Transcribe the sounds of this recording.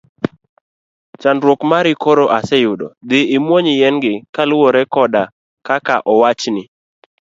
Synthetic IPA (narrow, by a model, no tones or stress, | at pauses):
t͡ʃandɾwokmaɾɪkoɾoʔasɛjʊdɔ̰d̪ɪɪmwoɲɪjɛnɡɪkalʊwoɾɛkɔda | kakaʔɔwat͡ʃnɪ